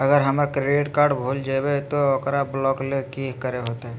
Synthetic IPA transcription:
əɡəɾɦəmɾakɾeɖiʈkaːɾɖbʱuld͡ʒajbet̪ookɾablɔklekikəɾeɦot̪oɦɛ

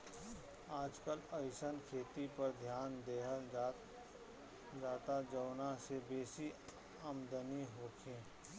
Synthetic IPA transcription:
aːd͡ʒkələjʃənkʰeːt̪ipɐɾd̪ʱjaːnd̪eːɦə | d͡ʒaːt̪ad͡ʒəwnasebeːsi | əmd̪əniɦoːkʰẽː

